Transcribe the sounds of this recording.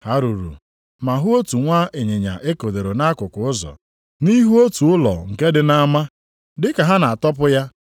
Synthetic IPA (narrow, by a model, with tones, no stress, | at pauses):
ha˨ɾu˨ɾṵ˨ | ma˨ɦʊ˦o˦tu˨ŋʷa˦e˨ɲe˨ɲa̰˨ʔe˦ko˨de˨ɾo˨na˦kʊ˨kʊ˨ʊ˦zɔ̰˨ | ni˦ɦu˦o˦tu˨ʊ˦lɔ̰˨ŋ̩˨ke˦dɪ˦na˦ma˦ | dɪ˦ka˨ɦa˦na˨a˨tɔ˦pʊ˦ja˦